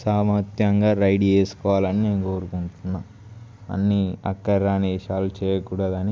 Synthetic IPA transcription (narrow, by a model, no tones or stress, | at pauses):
saːmɐt̪jɐŋɡaːɾɐjɖeːsu̥kɔːʋaːlɐnineːnuko̞ːɾukuɳʈunːaːm | ɐ̰nːiɐ̰kːɐɾaːneːʃaːlut͡ʃɛːjɐkuːɽɐd̪ɐni